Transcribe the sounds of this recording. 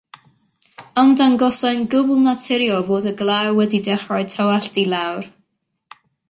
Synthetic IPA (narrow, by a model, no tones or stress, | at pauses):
anðanɡɔsaɨnɡʊblˠnatʰɪɾjɔvoːdəɡlˠawɛdidɛχrɔɨtʰawɛɬdilˠawr